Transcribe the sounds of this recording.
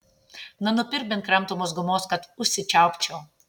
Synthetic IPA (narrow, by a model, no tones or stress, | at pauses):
nɐnʊpʲɪɾʲbʲɪnt̪kɾɐmˑt̪ʊmoːsɡʊmoːskɐt̪ʊʃʲsʲɪt͡ʃʲæˑʊpʲt͡ʃʲɛʊ